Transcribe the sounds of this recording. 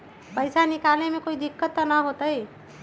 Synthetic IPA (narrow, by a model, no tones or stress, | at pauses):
pəɪsanɪkaːlnemẽkoːid̪ɪkːət̪ːanaɦoːt̪aɦi